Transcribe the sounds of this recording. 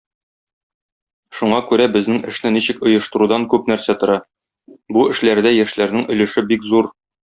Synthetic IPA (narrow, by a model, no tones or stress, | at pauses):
ʃuɴɑkʉɾæbɘ̆znɘŋɘ̆ʃnɘniɕɘ̆kŏjɤ̆ʃt̪ɤ̆ɾud̪ɑŋkʉp̚næɾsæt̪ŏɾɑ | buɘ̆ʃlæɾd̪æjæʃlæɾnɘŋɵ̆lɘ̆ʃɘbikzuɾ